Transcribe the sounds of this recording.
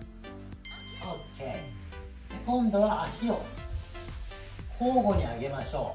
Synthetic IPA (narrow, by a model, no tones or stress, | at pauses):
okʰe | ekõ̞nd̪o̞βaʔaɕio | koːɡo̞ɲ̟iaɡe̞maɕo̞ː